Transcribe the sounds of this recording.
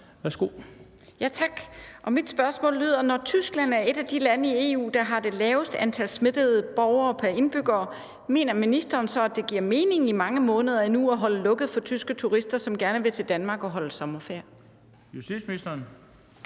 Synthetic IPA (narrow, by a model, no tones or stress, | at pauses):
ʋæɐsɡ̥o̝ | jæt͡sʰɑ̈ɡ̥ʔɒ̽mid̥sb̥ɶɐsmɔ̰̽ːlːyð̞̰ˠɐnɒt͡sʰysɡ̥læn̰æɐe̝ɾ̥æd̥ilænəie̝ːṵːd̥ɑ̈ɦɑ̈d̥e̝lɛːʊsd̥ænt͡sʰælsme̝d̥əð̩ˠəb̥ɒʊɐːpʰæɐe̝nb̥yɡ̥ɐː | me̝̰ːnɐminisd̥ɐːnsɒ̽æd̥e̝ɡ̥iɐ̰me̝ːne̝ŋimɑ̈ŋəmɔ̽ːnəð̞ˠɐinuɒɦɒ̽ləlɔ̽ɡ̥ð̩ˠfɒ̽t͡sʰysɡ̥ət͡sʰuʁisd̥ɐsɒ̽mɡ̥æɐnəʋe̝t͡sʰe̝ld̥ænmɑ̈ːɡ̥ɒ̽ɦɒ̽ləsɒ̽mɐfeɐ̰ | jusi̥sminisd̥ɐn